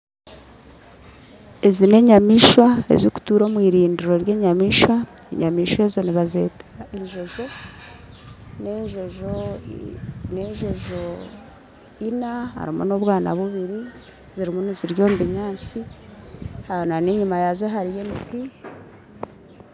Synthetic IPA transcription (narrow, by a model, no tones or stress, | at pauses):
ezine̞ɲamiʃwaḛziku̥tuːɾo̞ːmwiːɾiːndiɾo̞ɾje̞ːɲamiːʃwa | ḛɲamiːʃwe̞zo̞niβazḛtʰḁeɲʒoʒo̞ | neʒoʒo | neɲʒoʒo | inaha̰ɾimunoβwaːna̰βuβiɾi | ziɾimuniziɾjo̞ːmbiɲaːnt͡si | hananeɲumajazoɦaɾije̞miki